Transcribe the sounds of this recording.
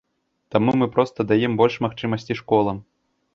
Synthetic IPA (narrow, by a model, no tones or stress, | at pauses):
t̪amumɨpɾɔst̪ɐd̪ajɛmbɔlʲʂmaxt͡ʂɨmɐsʲt͡sʲiʂkɔlˠɐm